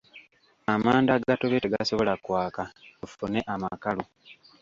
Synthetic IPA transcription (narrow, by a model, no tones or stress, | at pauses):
amaːndaɡatoβeteɡaso̞βo̞lakwaːkaufune̞ʔamakalu